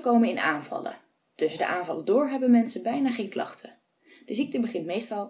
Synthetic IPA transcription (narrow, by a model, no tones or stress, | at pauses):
kowmənɪnaːnvɑ̰lə̰ | tɵsəndə̰ʔaːnvɑlədʊːɹɦɛbənmɛnsəbɛjnaːχejnklɑ̰χtʰə | d̥əzik̚təbəχɪntmejstɑlˠ